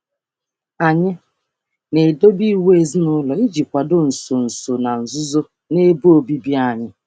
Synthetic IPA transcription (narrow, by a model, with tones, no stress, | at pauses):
a˨ɲɪ˦ | ne˨do˦bi˦˨we˦e˨zi˦nʊ˦lɔ˨i˦d͡ʒi˨kʷa˨do˦n̩˨so˨n̩˨so˨na˨n̩˨zʊ˦zo˦ | ne˦bu˦o˨bi˦bi˦a˦˨ɲɪ˦